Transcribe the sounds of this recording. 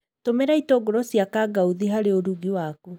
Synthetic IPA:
tomeɾaitɔːɡɔɾɔsjakaɡauðiɦaɾeoɾuɡiwaku

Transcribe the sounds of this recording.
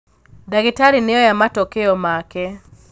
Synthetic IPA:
daɡɪtaɾinɪɔjamatokeɔmakɛ

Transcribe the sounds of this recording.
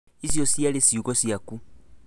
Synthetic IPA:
isiosialesiukosjaku

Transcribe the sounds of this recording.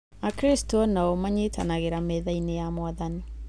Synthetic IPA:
akɾestɔnaomaɲeta̰naɣeɾamɛðainejamwaðani

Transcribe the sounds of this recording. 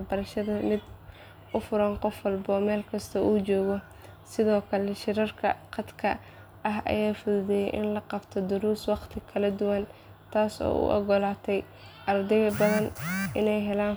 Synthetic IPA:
bɐɾɐʃɐðɐmɪd̪ | ʔʊfʊɾɐnqɔfwɑlbɐɔːmɛːlkʰɐst̪ʰɐʔuːt͡ʃɔːɣɔ | sɪðɔːkʰɐlɛʃɪɾɐrkʰɐqɑd̪kʰɐ̰ | ʔɐɦʔɐ̰jaːfʊðʊðɛjɛjʔɪ̰nlɐqɑbt̪ʰɔd̪ʊɾuːswɑqt̪ʰɪkʰɐlɐd̪ʊwɐn | t̪ʰaːsɔ̰ːṵʔɔ̰ɡɔlaːt̪ʰɛj | ʔɐrd̪ɛɣɐbɐðɐnʔɪnɛjɦɛlaːn

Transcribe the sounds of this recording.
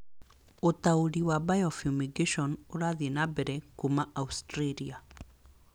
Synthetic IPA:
otaoɾiwabajɔfumiɡeʃɔnoɾaðenabɛɾɛkumaʔaustɾelia

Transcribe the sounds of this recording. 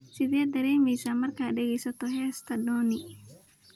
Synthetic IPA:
sɪðijɐd̪ɐɾɛːmiːsamɐrkaɖɛɡɛjsɐt̪ɔɦɛːst̪ʰɐdɔːni

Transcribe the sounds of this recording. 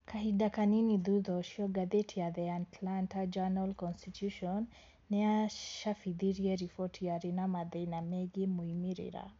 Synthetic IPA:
kʰaɦidakaniniðuðɔʃiɔɡaðɛtʰiaðɛatlantad͡ʒanalkɔnstitjuʃɔnː | ɛaʃafiðiɾiɛɾifɔtʰiaɾinamaðinamɛɡimuimiɾḭɾa̰

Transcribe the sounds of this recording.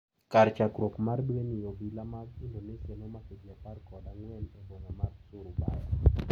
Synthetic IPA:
kaɾt͡ʃakɾokmardwenɪjobilamaɡindonesenɔmakid͡ʒiaparkɔdaŋwɛnɛbonamarsʊɾʊbajɔ

